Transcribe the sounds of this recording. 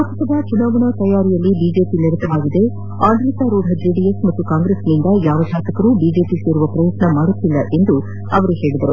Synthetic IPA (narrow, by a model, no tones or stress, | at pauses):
ak̪ɐt̪ɐd̪ɐt͡ʃunaːɡɐɳɐt̪ɐjaːɾijɐlːibiːd͡ʒe̞ːpiniɾɐt̪ːɐʋaːɡid̪e̞ | aːɳɖɾit̪aːɾoːɖʱɐd͡ʒeːɖijesmɐt̪ːukaːŋɡɾeːsnind̪ɐjaːʋɐd͡ʒaːt̪ɐkɐɾuːbiːd͡ʒe̞ːpise̞ːɾuʋɐpɾɐjɐt̪nɐmaːɽut̪ːilːɐʔe̞nd̪u | ɐʋɐɾuhe̞ːɭid̪ɐɾu